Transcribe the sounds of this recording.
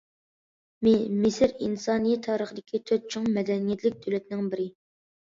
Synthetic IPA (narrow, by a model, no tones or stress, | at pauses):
mɪmɪsɪɾinsɑːnɨjɛt̪ʰɑːɾəχəd̪ɪkʲʰit̪ʰøt̪̚t͡ʃʰoŋmɛd̪ɛnijɛt̪ʰlɪk̚ʲd̪øwlɛt̪nɪŋbɪɾɪ